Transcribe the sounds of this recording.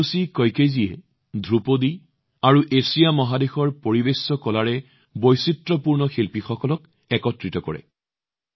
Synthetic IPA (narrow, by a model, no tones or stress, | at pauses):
usikɔjkeziɛ̰ | dʱɹupodi | aɹuʔesijamɔɦadexɔɹpoɹibesːɔkɔlaɹɛ | bojsitɹɔpuɹnɔxilpixɔkɔlɔk | ɛkɔtɹitɔkɔɹɛ̰